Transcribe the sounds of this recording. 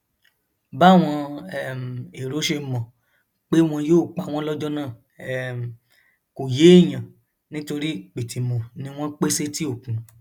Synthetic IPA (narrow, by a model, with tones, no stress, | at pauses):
ba˦˨w̃ɔ̃˧ɛ˦˨m˨e˨ɾo˨˦ʃe˧˦mɔ̃˨ | k͡pe˦w̃ɔ̃˧joː˦˨k͡pa˨w̃ɔ̃˦lɔ˦d͡ʒɔ˦nãː˦˨˦ | m˨ | ko˨je˨˦e˦˨j̃ã˨ | nĩ˦to˧ɾi˦k͡pe˨ti˨mõ˨nĩ˧˦w̃ɔ̃˦k͡pe˦se˦ti˦o˦˨kũ˨